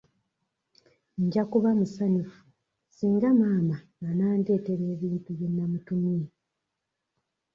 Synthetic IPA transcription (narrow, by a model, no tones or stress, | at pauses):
ɲɟakuβamusanufu | siːŋɡamaːmaŋɡanaːnde̞ːte̞βe̞ːβiːntuje̞nːamutumi